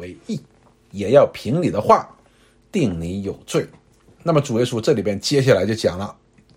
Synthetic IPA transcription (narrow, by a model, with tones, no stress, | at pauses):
we˧˥ɪi˥˩ | jɛ˨˩jɑ˥˩ʊpʰi˧˥ŋni˨˩d̪ə˦xwa˥˩ | t̪i˥˩ŋni˧˥jo˨˩ʊt͡swe˥˩ɪ | na˥˩mə˩ʈ͡ʂu˨˩jɛ˥˧ʂu˥˧ʈ͡ʂɤ˥˩li˨˩bjɛ˥˧nt͡ɕjɛ˥ɕ̬a˥˩la˧˥ɪt͡ɕjo˥˩ʊt͡ɕjɑ˨˩ŋlə˦